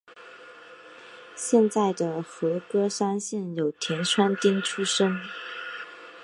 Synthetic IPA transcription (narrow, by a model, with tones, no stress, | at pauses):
ɕjɛ˥˧nt͡sa˥˩ɪd̪ə˩xɤ˧˥kɤ˥ʂa˥nɕjɛ˥˩njo˨˩ʊt̪ʰjɛ˧˥nʂʰwa˥nt̪i˥nʈ͡ʂʰu˥ʂɤ˥ŋ